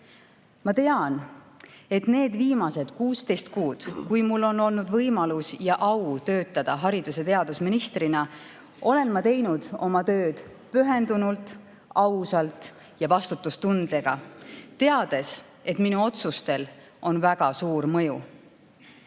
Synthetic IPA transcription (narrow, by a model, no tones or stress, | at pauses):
mɑt̪e̞ɑn | e̞t̪ne̞ːd̪viːmɑse̞d̪̥kuːst̪e̞jst̪kuːd̪̥kujmulːo̞nːo̞lnud̪vɤjmɑlusjɑʔɑwt̪ø̞ːt̪ːˑɑd̪̥ɑɦɑɾid̪use̞t̪e̞ɑd̪̥usminist̪rinɑ | ʔo̞le̞nmɑt̪e̞jnud̪̥o̞mɑt̪ø̞ːd̪̥ | pyɦe̞nd̪unult̪ˑ | ɑwsɑlt̪ˑ | jɑvɑst̪ut̪ːˑust̪und̪̥leɡ̥ɑt̪e̞ɑd̪̥e̞s | e̞t̪minuo̞t̪sust̪e̞l | ʔo̞nvæɡ̥ɑsuːɾmɤ̞ju